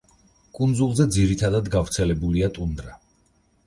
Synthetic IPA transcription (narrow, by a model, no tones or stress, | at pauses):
kʼund̪zulˠzɛd̪ziɾit̪ʰad̪ad̪ɡavɾt̪sʰɛlɛbuliat̪ʼund̪ɾa